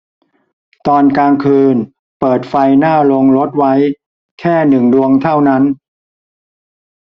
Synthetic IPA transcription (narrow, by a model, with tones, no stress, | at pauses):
t̪ɔː˧nkaː˧ŋkʰɯː˧n | pɤː˨˩t̪̚fa˧jnaː˥˩lo˧ŋlo˦˥t̪̚wa˦˥j | kʰɛː˥˩nɯ˨˩ŋdu˧əŋt̪ʰa˥˩wna˦˥n